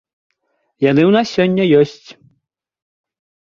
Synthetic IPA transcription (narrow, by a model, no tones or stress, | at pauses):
janɨwnassʲɔnʲːɐjɔsʲt͡sʲ